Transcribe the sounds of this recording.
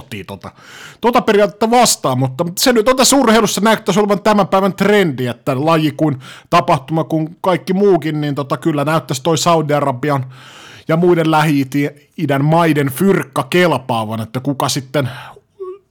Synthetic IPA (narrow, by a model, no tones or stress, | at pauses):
t̪ːˑḭːt̪ot̪ɑt̪ot̪ɑperijɑːt̪et̪ːæʋɑst̪ɑːmmut̪ːɑsenyt̪ont̪æsːurheilusːɑnæyt̪ːæsoleʋɑnt̪æmæmpæiʋænt̪rendiet̪ːælɑjikuint̪ɑpɑht̪umɑkuŋkɑikːimuːkinniːnt̪ot̪ɑkylːænæyt̪ːæst̪oisɑudiɑrɑbiɑnjɑmuidellæhiːt̪ie | idænmɑidenfyrkːɑkelpɑːʋɑnet̪ːækukɑsit̪ːen